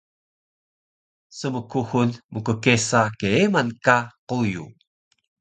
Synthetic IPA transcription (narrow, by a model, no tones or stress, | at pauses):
səməkuxunmukəkesakeemankaqujṵ